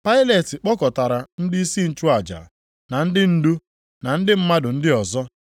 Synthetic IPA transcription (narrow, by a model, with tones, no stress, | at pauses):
pa˦ɪ˦le˨tɪ˨k͡pɔ˦kɔ˨ta˨ɾa˨n̩˦dɪ˦i˦si˦n̩˦t͡ʃu˦a˨d͡ʒa̰˨ | na˨n̩˦dɪ˦n̩˦du˦ | na˨n̩˦dɪ˦m̩˦ma˦dʊ˨n̩˦dɪ˦ɔ˨zɔ˦